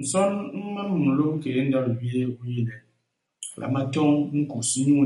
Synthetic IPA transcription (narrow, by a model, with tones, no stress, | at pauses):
n̩˨sɔ˦nm̩˦ma˦m˨m̩˨lo˦ke˨e˦n̩˦da˦ɾwi˦e˦u˦ji˦˨ne˨ | lʔa̰˨ma˦tɔ˦ŋŋ̩˦ku˨su˦ɲu˦